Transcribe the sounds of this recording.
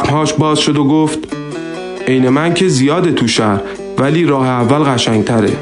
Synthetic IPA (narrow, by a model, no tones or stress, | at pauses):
nhɒːʃbɒːzʃo̞d̪oɡoft̪ | ʔe̞jne̞mæncʰe̞zijɒːd̪et̪ʰuʃæɾ | væliːɾɒːheævːælɣæʃæŋt̪ʰæɾḛ